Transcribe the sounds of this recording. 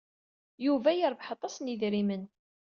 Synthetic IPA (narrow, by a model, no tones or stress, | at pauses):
juvæjəɾˤvħɑt̪ˤːɑsniðɾimən